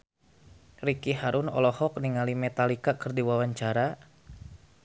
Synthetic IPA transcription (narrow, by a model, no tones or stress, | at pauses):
rikiɦaɾʊnɔ̰lɔhɔk̚niŋalimɛt̪alikakɨrdiwawaɲt͡ʃaɾa